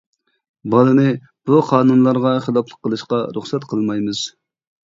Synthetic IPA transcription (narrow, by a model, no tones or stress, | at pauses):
bɑlˠɨnɨ | b̥uqʰɑːnunlˠɑɾʁɑχəlˠɑplˠəqʰːəlˠɨʃqɑɾuχsɛt̪qʰəlˠmɑjmɨz̥